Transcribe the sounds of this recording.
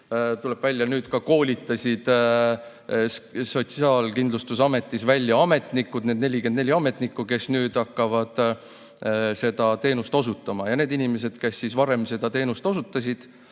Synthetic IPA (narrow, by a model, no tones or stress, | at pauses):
t̪ule̞b̥vælʲjɑnyːd̪̥kɑko̞ːlʲit̪ːˑɑsʲid̪̥ | so̞t̪siɑːlkind̪lust̪usɑme̞t̪ːˑisvælʲːjɑɑme̞t̪ˑnikːˑud̪neːd̪ne̞lʲikend̪ne̞lʲiɑme̞t̪ˑnikːˑuke̞snyːd̪̥ɑkːɑvɑd̪̥ | se̞d̪̥ɑt̪e̞ːnust̪o̞sut̪ːˑɑmɑjɑne̞ːd̪inime̞s̬e̞d̪̥ke̞sːisvɑɾe̞mse̞d̪̥ɑt̪e̞ːnust̪o̞sut̪ːˑɑsʲid̪̥